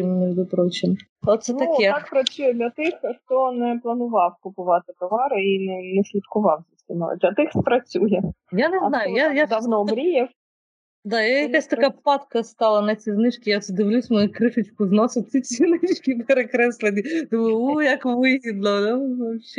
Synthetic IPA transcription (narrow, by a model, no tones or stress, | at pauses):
imnɛʋʲd̪ʊpɾɔt͡ʃɪn | ot̪t̪sɛnt̪ɐjɐakpɾɐt͡sʲujɛd̪lʲɐt̪ɪxxt̪ɔnɛplˠɐnʊʋɑwkʊpʊʋɑt̪ɪt̪ɔʋɑɾɪinɛnɛsʲlʲit̪kʊʋɑwzʲɐsʲɪnɔ̰jɛ̰d̪lʲɐt̪ɪxspɾɐt͡sʲujɛjaneznɑjʊjjajad̪awnɔɔbɾʲijɛw | d̪ɑjajɐkasʲt̪ɐkapɑt̪kɐst̪ɑlˠɐnɐt͡sʲiznɪt͡ʃkʲɪjasd̪ɪʋlʲusʲmɐjukɾɪʃʊt͡ʃkʊznɔsɪt͡sʲit͡sʲinɪt͡ʃkʲipeɾekɾɛslˠenʲːit̪ɔmuɔjɐkʋɪɦʲid̪lˠɔnɐʋɐpɕɛ